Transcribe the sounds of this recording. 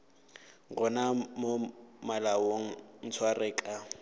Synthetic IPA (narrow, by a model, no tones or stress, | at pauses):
ɣɔnamomalawoŋ̩n̩t͡sʰwarɛːkʼa